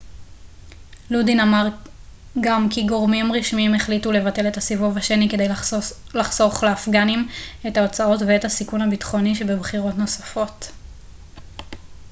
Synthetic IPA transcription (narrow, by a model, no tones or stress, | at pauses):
ludinamaʁɡamkiɡo̞ʁmimʁiʃmiimeχlitule̞vate̞le̞thasivuvaʃenike̞dejlaχz̥o̞χleafɡanimetaot͡sao̞tveethasikunhabitχo̞niʃe̞bebχiʁo̞tno̞safo̞t